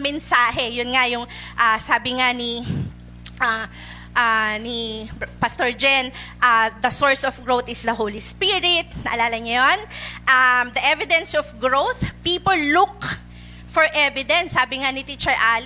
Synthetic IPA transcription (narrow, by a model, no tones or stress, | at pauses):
mɛnsaːɦɛjʊnŋajʊŋ | ʔasaːbɪŋani | a | ʔanipɐst̪oɹd͡ʒɛnʔad̪ɐsoɹsɔfɡɹowθɪsd̪ɐɦowlispiɹɪt̪̚nɐʔɐlaːlɐŋɐjonʔamd̪ɐʔɛvɪd̪ɛnsɔfɡɹowθpiːpɔlːuk̚ | fɔɹʔɛvɪd̪ɛnsːaːbɪŋanit̪it͡ʃɛɹʔaːl